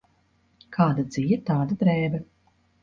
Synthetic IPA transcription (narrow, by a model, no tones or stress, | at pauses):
kʰaːd̪ad̪z̥ijɛt̪aːd̪ad̪ɾɛːbɐ